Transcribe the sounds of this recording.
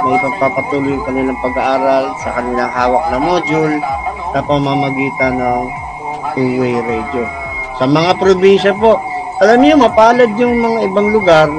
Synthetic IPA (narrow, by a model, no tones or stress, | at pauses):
mɐpɐɡ̚papɐt̪uːlʊjʊŋkɐnɪlaŋpɐɡɐʔaːɾɐlsɐkɐnɪlaŋhaːwɐk̚nɐmod͡ʒʊlsɐpɐmaːmɐɡiːt̪ɐnɐŋ | huːwɛjɾɛd͡ʒo | sɐmɐŋapɾobinʃɐp̬o̞ʔ | ʔɐlamɲʊmɐpaːlɐd̪̚jʊŋmɐŋaʔɪbaŋlʊɡaɾ